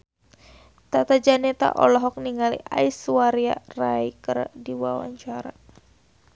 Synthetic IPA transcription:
t̪at̪ad͡ʒanɛt̪a̰ʔɔ̰lɔɦɔk̚niŋalḭʔaisuwaɾia̰raikərdiwawa̰ɲt͡ʃaɾa

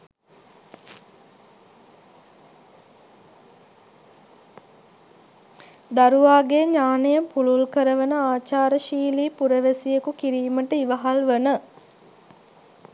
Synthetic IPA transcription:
d̪aɾuʋaːɡeɲaːnejəpululkəɾəʋənəaːt͡ʃaːɾəʃiːliːpuɾəʋesijekukiɾiːməʈəiʋəɦalʋənə

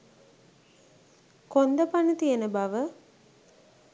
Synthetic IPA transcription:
kond̪əpanət̪ijənəbaʋə

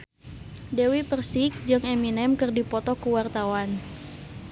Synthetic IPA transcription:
dewipərsik̚d͡ʒɨŋɛminɛmkɨrdipɔt̪ɔkuwart̪awan

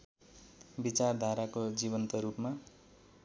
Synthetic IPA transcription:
bit͡sard̪ʱaɾakod͡ziβʌnt̪ʌɾupma

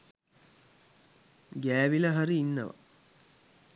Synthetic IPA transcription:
ɡæːʋiləɦɐɾiːnːə̰ʋa̰

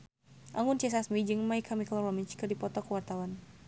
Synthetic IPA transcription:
ʔaŋʊnt͡ʃɛs̬asmid͡ʒɨŋmaikʰamiklɔrɔmiɲt͡ʃkɨrdipɔt̪ɔkəwart̪awan

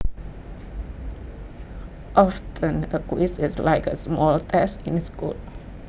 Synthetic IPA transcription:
ʔɔftʰə̃nəkwisɪslaɪkəsmɔltʰɛsĩnskṵl

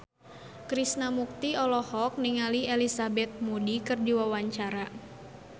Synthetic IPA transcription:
kɾisnamuk̚t̪iɔlɔhɔk̚niŋalielisabɛt̪̚mudikɨrdiwawaɲt͡ʃaɾa

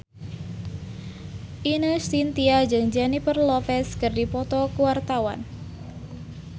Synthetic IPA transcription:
ʔinəst̪int̪iad͡ʒɨŋd͡ʒanipərlɔfɛskɨrdipɔt̪ɔkuwart̪awa̰n

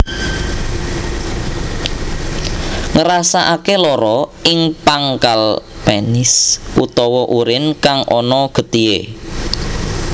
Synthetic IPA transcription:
ŋəɾasaʔakelɔɾɔɪŋpaŋkalpenɪsʔut̪ɔwɔʔuɾɪnkaŋʔɔnɔɡ̥ə̤t̪iḛ

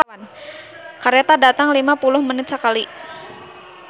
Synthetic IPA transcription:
an | kaɾet̪adat̪aŋlimapulʊhmənɪt̪̚səkali

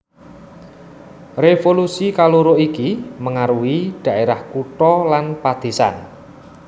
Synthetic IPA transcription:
refolusikaluɾoʔikiməŋaɾuiɖ̪̥ä̤ʔeɾahkuʈɔlanpad̪̥e̤sa̰n

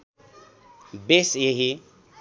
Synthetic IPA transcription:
besjeɦi

